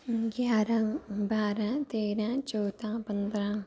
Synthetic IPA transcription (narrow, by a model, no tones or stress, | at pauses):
ɡjaːɾãːbaːɾãːt̪eːɾãːt͡ʃɔːd̪ãːpənd̪ɾãː